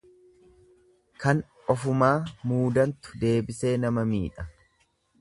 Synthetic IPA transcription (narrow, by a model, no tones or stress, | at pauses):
kɐn | ɔfʊmaːmuːd̪ɐnt̪ʊ̥d̪e̞ːbɪse̞ːnɐmɐmḭːᶑɐ